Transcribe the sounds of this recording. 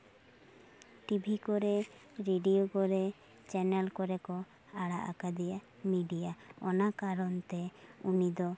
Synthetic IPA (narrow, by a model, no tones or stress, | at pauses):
ʈibʱikɔɾɛɾeɖiokɔɾɛ | t͡ʃɛnɛlkɔɾɛkɔ | aɽaʔa̰kad̪ija | miɖijaɔnakaɾɔnt̪ɛunid̪ɔ